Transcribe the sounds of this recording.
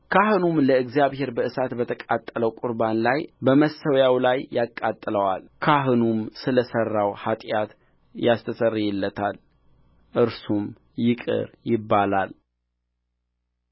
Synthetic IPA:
kʰaɦɨnumləɨɡzjaβhe̞ɾbəɨsat̪bət̪ʰəkʼat̪ʼːələwkʼʊɾbanlajbəməsːəwjawlajːakʼːat̪ʼːɨləwalkʰaɦɨnumsɨləsərːawhat̪ʼjat̪ | jast̪ʰəsərːijɪlːət̪ʰal | ʔɨɾsum | jɪkʼɨ̰ɾjɪbːalal

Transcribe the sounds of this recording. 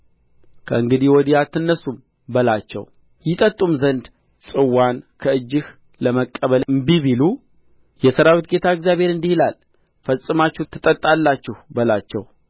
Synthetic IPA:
kʰəɨŋɡɨd̪ihwɔd̪ijat̪ʰɨnːəsum | bəlat͡ʃːɛ̰w | jɪt̪ʼət̪ʼːumzənd̪ | sʼɨwːankʰəɨd͡ʒːɪh | ləməkʼːəβəlɨmbiβilu | jɛsəɾawit̪̚ɡe̞t̪ʰaeɡzjaβe̞ɾɨnd̪ihilal | fəsʼɨmat͡ʃːɛt̪ʰːɨt̪ʼət̪ʼːalːat͡ʃːɪhbəlat͡ʃːɛw

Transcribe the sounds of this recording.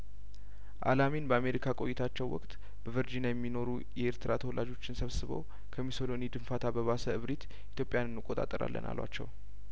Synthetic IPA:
ʔa̰laminbəame̞ɾikʰakʼo̞jit̪ʰat͡ʃːɛwwɔ̰kʼt̪ʼ | b̥əvəɾd͡ʒinajɛmːino̞ɾu | jɛeɾt̪ʰɨɾat̪ʰəwɔlʔad͡ʒo̞t͡ʃːɪnsəβsɨβo̰w | kʰəmiso̞lo̞nid̪ɨnfat̪ʰabəβasəɨβɾit̪ | it̪jo̞pʼːjanɨnːɨkʼːo̞t̪ʼa̰t̪ʼːəɾa̰lːə̰nʔa̰lwa̰t͡ʃːɛ̰w

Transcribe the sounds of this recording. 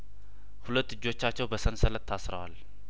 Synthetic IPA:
hulət̪ːɨd͡ʒːo̞t͡ʃːat͡ʃːɛwbəsənsələt̪ʰːasɾə̰wa̰l

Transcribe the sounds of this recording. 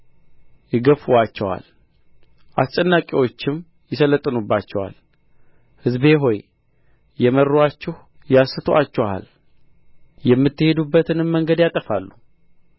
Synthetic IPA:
jɪɡəfuwat͡ʃːɛwa̰l | ʔast͡ʃʼɛnːakʼiwo̞t͡ʃːɪm | jɪsələt̪ʼːɨnubːat͡ʃːɛwa̰l | hɨzbe̞ɦo̞j | jɛmərːuat͡ʃːɛh | jasɨt̪ʰoat͡ʃːɛwa̰l | jɛmːɨt̪ːɨhe̞d̪ubːət̪ʰɨnɨmːəŋɡəd̪jat̪ʼəfalːu

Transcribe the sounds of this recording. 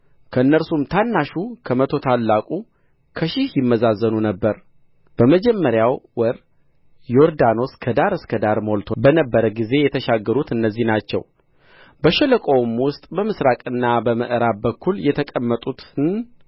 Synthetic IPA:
kʰəɨnːəɾsumt̪ʰanːaʃukʰəmət̪ʰo̞t̪ʰalːakʼu | kʰəʃɪhjɪmːəzazːənunəbːəɾ | b̥əməd͡ʒɛmːəɾjawwɔɾ | joɾd̪ano̞skʰəd̪aɾɨskʰəd̪aɾmo̞lt̪ʰobənəbːəɾəɡize̞jɛt̪ʰəʃaɡːəɾut̪ɨnːəzːihnat͡ʃːɛ̰w | bəʃɛləkʼo̞wmwʊst̪ʼbəmɨsɾakʼɨnːabəməʔɨɾabəkːuljɛt̪ʰəkʼəmːət̪ʼut̪ʰɨn

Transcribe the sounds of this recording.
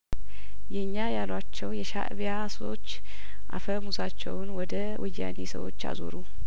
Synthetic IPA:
jɛɲːajalwat͡ʃːɛwjɛʃa̰ʔbjaso̞̰t͡ʃː | ʔa̰fəmusat͡ʃːɛ̰wnwɔd̪ə | wʔɨjːa̰nesə̰wo̞̰t͡ʃːa̰zo̞̰ɾu

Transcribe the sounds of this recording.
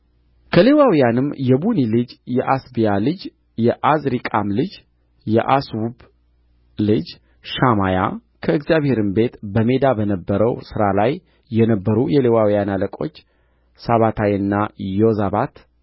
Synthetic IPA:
kʰəlewawijanɨmjɛbunilɨd͡ʒjɛʔasbijalɨd͡ʒ | jɛʔazɾikʼamlɨd͡ʒ | jɛʔaswub | lɨd͡ʒ | ʃamaja̰ | kʰəɨkzijaβhe̞ɾɨmbe̞t̪bəme̞d̪abənəbːəɾəwsɨɾalajː | ɛnəbːəɾujɛlewawjanaləkʼo̞̰t͡ʃː | saβat̪ʰajɨnːajozaβat̪

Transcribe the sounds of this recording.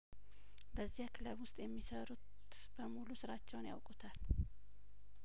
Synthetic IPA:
bəzːihakʰɨləβwʊst̪ʼjɛmːisəɾut̪ | b̥əmulusɨɾat͡ʃːɛwnja̰wkʼut̪ʰal

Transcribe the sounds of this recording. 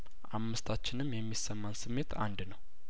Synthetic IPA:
ʔamːɨst̪ʰat͡ʃːɪnɨmjɛmːisəmːansɨmːe̞t̪ʰa̰nd̪nəw

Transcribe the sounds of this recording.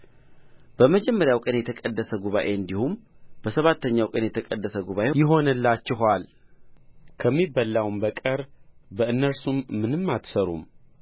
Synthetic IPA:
b̥əməd͡ʒɛmːəɾjawkʼənjɛt̪ʰəkʼəd̪ːəsəɡuβa̰ʔe̞ɨnd̪ihumb̥əsəβat̪ːəɲːawkʼənjɛt̪ʰəkʼəd̪ːəsəɡuβaʔejɪɦo̞nəlːat͡ʃːɪɦal | kʰəmːibəlːawmbəkʼəɾbəʔɨnːəɾsumːɨnɨmːat̪səɾṵm

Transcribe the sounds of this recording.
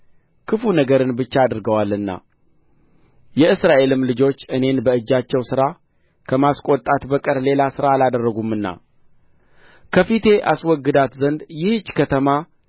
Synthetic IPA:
kʰɨfunəɡəɾɨnbɨt͡ʃːaːd̪ɨɾɡəwalɨnːa̰ | jɛɨsɾaʔe̞lɨmlɨd͡ʒo̞t͡ʃːɨne̞nbəɨd͡ʒːat͡ʃːɛwsɨɾa | kʰəmaskʼot̪ʼat̪bəkʼəɾle̞lasɨɾaːlad̪ərːəɡumːɨnːa̰ | kʰəfit̪ʰe̞ʔaswɔɡːɨd̪at̪zənd̪jɪhd͡ʒkʰət̪ʰəma

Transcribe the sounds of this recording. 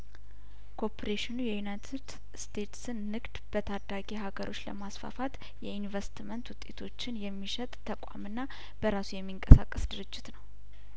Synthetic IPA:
kʰopʰɾeʃɪnujɛjunajt̪ʰɨd̪ | st̪ʰe̞t̪sɨnːɨɡd̪̥b̥ət̪ʰad̪aɡeɦaɡəɾʔo̞t͡ʃːlə̰masfa̰fat̪ | jɛinvəst̪mənt̪wʊt̪ʼːe̞t̪ʰo̞t͡ʃːɪnjɛmːiʃɛt̪ʼt̪ʰːəkʷʼa̰mɨnːa | b̥əɾasujɛmːiŋkʼəsa̰kʼːəsd̪ɨɾɨd͡ʒːɪt̪nəw

